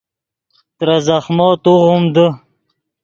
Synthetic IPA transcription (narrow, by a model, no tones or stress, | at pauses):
t̪ɾazaχmɑːt̪uʁumd̪ə